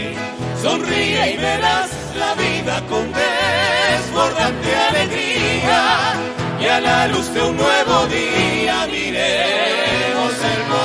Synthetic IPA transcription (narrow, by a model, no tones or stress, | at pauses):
so̞nriaiβeɾas | laβiðakond̪eezβoɾðant̪ealeɣɾia | jalaluzd̪eunnːweβo̞ðiamiɾe | moseɾmo